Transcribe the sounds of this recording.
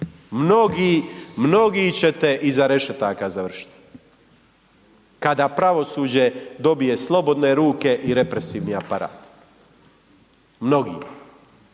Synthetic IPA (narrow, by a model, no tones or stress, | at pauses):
mno̞ɡiːmno̞ɡit͡ɕe̞t̪eʔizaɾe̞ʃet̪akazaʋr̩ʃi̥t̪i̥ | kad̪apɾaʋo̞suːd͡ʑe̞d̪o̞bije̞slˠo̞bo̞d̪ne̞ɾuːke̞ʔiɾe̞pɾesiːʋniapaɾa̰ːt̪ | mno̞ɡḭːma